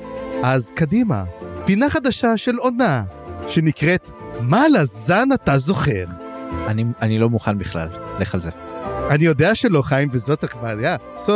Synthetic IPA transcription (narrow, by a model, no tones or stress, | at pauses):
ʔazkadima̰pinaχad̪aʃaʃe̞lo̞naʃe̞nikʁet | malazanatazo̞χe̞ʁanianilo̞muχanbiχla̰lleχalzeanijo̞deaʃelo̞χaimvezo̞takvajaso